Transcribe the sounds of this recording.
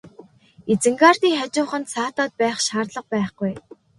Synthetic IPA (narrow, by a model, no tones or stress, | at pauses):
et͡sɘ̆ŋɡaːrt̪iːŋχat͡ɕʊːχə̆nt̪saːt̪ɔːt̪̚pæːχʃaːrɮə̆q̚pæːχɡuj